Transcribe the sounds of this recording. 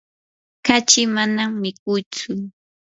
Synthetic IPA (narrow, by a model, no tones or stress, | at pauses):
kat͡ʃɪmanammːɪk̚ʊjt͡sʊ